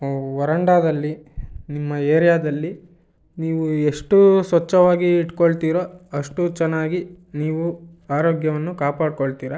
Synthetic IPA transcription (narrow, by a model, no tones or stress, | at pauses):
ʋɐɾɐɳɖaːd̪ɐlːinimːɐeːɾijaːd̪ɐlːi | niːʋue̞ʂʈusʋɐt͡ʃːɐʋaːɡiːʈkoɭt̪iːɾoːɐʂʈut͡ʃɛnːaːɡi | niːʋu | aːɾoːɡjɐʋɐnːukaːpaːɽkoɭt̪iːɾɐ